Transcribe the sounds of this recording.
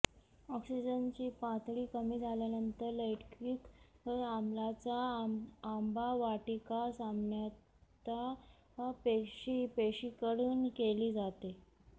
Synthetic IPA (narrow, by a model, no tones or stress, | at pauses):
ɔksid͡ʑənt͡ɕiːpãt̪ʰɽiːkəmiːd͡zʱaljanənt̪əɾləjʈkiːkəamlat͡saː | mbaʋaʈikasambɳja | t̪a | peɕiːpeɕiːkəɽuːnkeliːd͡zat̪e